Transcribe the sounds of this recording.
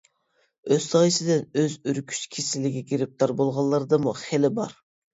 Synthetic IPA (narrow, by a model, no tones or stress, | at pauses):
øzt̪ɑjisɪd̪ɪnøzyɾkʲʰy̥ʃkʲʰesɪlːɪɡʲɛkʲiɾɪp̚t̪ʰɑɾbolˠʁɑlˠːɑɾɨd̪ɨmuχelɪbɑɾ